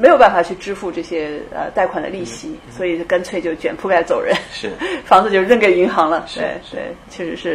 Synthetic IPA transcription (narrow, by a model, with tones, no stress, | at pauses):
me˧˥ɪjʊp̬a˥˩n˩fa˨˩t͡ɕʰy˥˩ʈ͡ʂɻ̩˥fu˥˧ʈ͡ʂɤ˥˩ɕjɛ˥ə̰˧t̪a˥˩ɪkʰwa˨˩nd̪ə̰˦li˥˩ɕi˧˥swɔ˧˥i˨˩ka˥nt͡sʰwe˥˧ɪt͡ɕjo˥˩ʊt͡ɕɥɛ˨˩npʰu˥ka˥˩ɪt͡so˨˩ʊɻə̰˧˥n˥˩fɑ˧˥ŋt͡sɹ̩˧t͡ɕo˥˧ɻə˥˩ŋke˨˩ɪi˧˥ŋxɑ˧˥ŋlə˧t̪we˥˧ɪt̪we˥˩ɪt͡ɕʰɥɛ˥˩ʂɻ̩˧˥ʂɻ̩˥˩